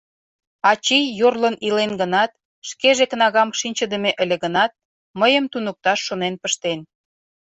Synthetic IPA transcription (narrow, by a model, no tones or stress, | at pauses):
ɑt͡ɕijːorlə̆nilenɡənɑt̪̚ | ʃkeʒekənɑɣɑmʃinʲt͡ɕə̆d̪əmeʔə̆lʲeɣənɑt̪̚ | məjə̆mt̪unək̚t̪ɑʃːonenpəʃt̪en